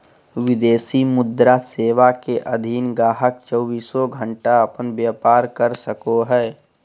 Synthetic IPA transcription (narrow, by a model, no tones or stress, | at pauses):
wɪd̪eːsimʊd̪ɾaseːʋakeʔəd̪ʱiːnɡaːɦəkt͡ʃəːbiːsɔɡʱə̃ɳʈaɐpənbjaːpaːɾkəɾsəkoɦɛː